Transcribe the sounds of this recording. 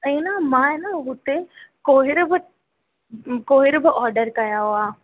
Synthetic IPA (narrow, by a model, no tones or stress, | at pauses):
ɐ̃namãenaɦʊt̪ekoːɦɪɾb | koːɦɪɾbəʔɔːɾɖəɾkɐjaɦoaː